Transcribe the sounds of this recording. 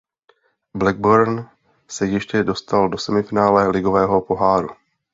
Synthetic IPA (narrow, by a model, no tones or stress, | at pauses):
blɛɡ̚boɾn | sɛjɛʃcɛdo̞st̪aldo̞sɛmɪfɪnaːlɛlɪɡo̞vɛːɦo̞po̞ɦaːɾu